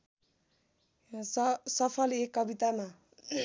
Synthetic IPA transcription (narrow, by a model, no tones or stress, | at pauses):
sʌpʰʌlekːʌbit̪ama